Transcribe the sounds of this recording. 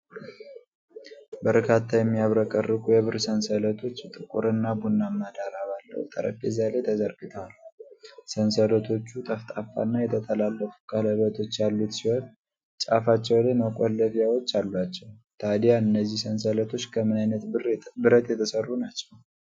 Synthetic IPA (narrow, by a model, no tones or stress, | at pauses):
bəɾkʰat̪ʰːajɛmːijaβɾəkʼərːɨkʰʼujɛβɨɾsənsələt̪ʰo̞t͡ʃːt̪ʼɨkʼṵɾɨnːabunːamːad̪aɾaβalːə̰hṵt̪ʼə̰ɾə̰pʼːezalet̪ʰəzəɾɡɨt̪ʰəwal | sənsələt̪ʰo̞t͡ʃːut̪ʼəft̪ʼafːa̰nːajɛt̪ʰət̪ʰəlalːəfu̥kʰʼələβət̪ʰo̞t͡ʃːjalːut̪siho̞n | t͡ʃʼa̰fat͡ʃːɛwleməkʼolːəfjawo̞t͡ʃːalːwat͡ʃːɛw | t̪ʰad̪ijaɨnːəzːihsənsələt̪ʰo̞t͡ʃːkʰəmːɨnajnət̪bɨɾət̪jɛt̪ʰəsərːunat͡ʃːɛw